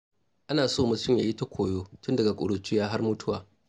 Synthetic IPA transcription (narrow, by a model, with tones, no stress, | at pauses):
ʔa˦naː˨soː˦˨mʊ˨tʊ˦mjaː˨ji˦ta˦kʷʰoː˨joː˦tʊ˦ndɐ˨ɡa˨kʷʼʊ̰˨ɽʊ˨t͡ʃɪ˦jaː˦ɦa˦rmʊ˦tʰʊ˦waː˨